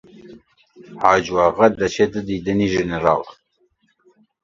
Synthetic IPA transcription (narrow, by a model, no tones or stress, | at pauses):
hɑːd͡ʒwɑːʁad̪ɐt͡ʃʰed̪əd̪id̪əniʒeneɾɑ̰ːl